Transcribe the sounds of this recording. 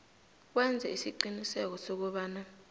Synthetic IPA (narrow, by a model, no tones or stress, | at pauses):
k̬wɛnd͡zʱɛisiǃinisɛk̬ɔsok̬uɓaːna